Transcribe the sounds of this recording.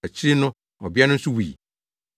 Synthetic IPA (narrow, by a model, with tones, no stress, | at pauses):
æ˨t͡ɕʰi˦ɾi˦nʊ̃˦ | ɔ˨bi˦a˦nʊ̃˦n̩˦sʊ˦wi˨